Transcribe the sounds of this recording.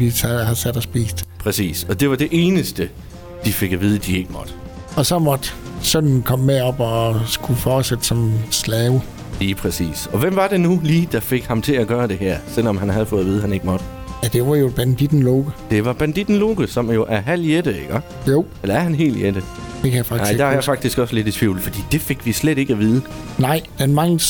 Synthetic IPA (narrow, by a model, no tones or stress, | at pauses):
ʋisʰhɑsæd̥ɒsb̥ḭːsd̥pʰʁɛsḭːsɒ̽d̥e̝ʋɑ̈d̥e̝ʔe̝ːnəsd̥ə | d̥ife̝ɡ̥æʋiːð̞ˠəd̥ie̝ɡ̥əmɒ̽d̥ə | ɒ̽sɒ̽mɒd̥ | sɔnn̩kʰɒ̽mːeɒ̽b̥ɒsɡ̥ufɒːd̥sed̥əsɒ̽mslɛːʊ | liːpʰʁɛsḭːsɒ̽ʋem̰ʋɑ̈d̥e̝nuliːd̥ɑ̈fe̝ɡ̥hɑ̈mt͡sʰe̝læɡ̥ɶːɐd̥e̝ɦæɐ̰sel̰ɒ̽mɦænhæð̞̩ˠfɔ̽ːð̩ˠʋiːð̞̩ˠhæne̝ɡ̥əmɒ̽d̥ə | jæd̥e̝ʋɑ̈job̥ænd̥id̥n̩loːɡ̥əd̥e̝ʋɑ̈b̥ænd̥id̥n̩lo̝ːɡ̥əsɒ̽mjo̝ʔæɐɦæl̰jed̥əeɡ̥ɒ | jo̝ʊ̰elɐæɐhænɦe̝̰ːljed̥ə | d̥ekʰæjæfɑ̈ɡnɑ̥̈ɪ̰d̥ɑæjafɑ̈ɡ̥d̥isɡ̥ɒ̽səle̝dit͡sʰʋiʊ̰l̩fɒ̽d̥ḭːd̥e̝fe̝ɡ̥ʋisleɾ̥e̝ɡ̥æʋiːðˠənɑ̈ɪ̰d̥enmɑ̈ŋl̩s